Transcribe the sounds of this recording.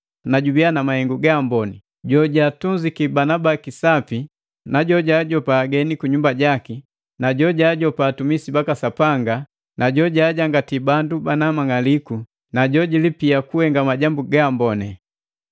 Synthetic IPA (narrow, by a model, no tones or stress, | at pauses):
naɟubianamahɛŋɡuɡambɔnɛ | ɟɔɟaːtunzikibanabakisapi | naɟɔɟaːɟɔpaːɡɛnikuɲumbaɟaki | naɟɔɟaɟɔpaːtumisibakasapaŋɡa | naɟɔɟaːɟaŋɡatibandubanamaŋaliku | naɟɔɟilipiakuhɛŋɡamaɟambuɡambɔnɛ